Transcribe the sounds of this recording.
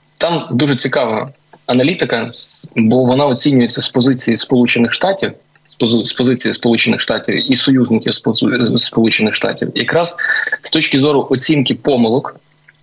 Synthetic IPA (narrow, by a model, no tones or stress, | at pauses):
t̪ɑmd̪uʒɛt͡sʲikɑʋɐɦɐ̰ | ɐnɐlʲit̪ɪkɐbɔʋɔnɑɔt͡sʲinʲʊjet͡sʲːɐspɔzɪt͡sʲijispɔlˠut͡ʃenɪxʃt̪ɑtʲiw | spɔzɪt͡sʲijispɔlˠut͡ʃenɪ̰xʃt̪ɑtʲiwisɔjuznɪkʲiwsspɔlˠut͡ʃenɪxʂt̪ɑ̰tʲḭwjɐkɾɑz̥st̪ɔt͡ʃʲkʲɪzɔɾʊʔɔt͡sʲinkɪpɔmɪlˠɔk